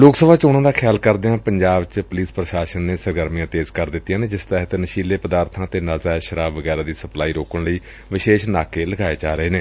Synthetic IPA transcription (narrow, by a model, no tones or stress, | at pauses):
loːksəbʱaːt͡ʃoːɽ̃ãːd̪aːkʰɪjaːlkəɾd̪eːãːpəɲd͡ʒaːbt͡ʃpʊliːspɾəʃaːʃənːeːsəɾɡəɾmijãːt̪eːzkəɾd̪ɪt̪ːijãːneːd͡ʒɪst̪ɛːɦət̪nəʃiːleːpəd̪aːɾt̪ʰãːt̪eːnaːzaːeʃəɾaːbʋəɡɛːɾaːd̪iːsəplaːiːɾoːkəɳləiː | ʋɪʃeːʃnaːkeːləɡaːeːd͡ʒaːɾəeːneː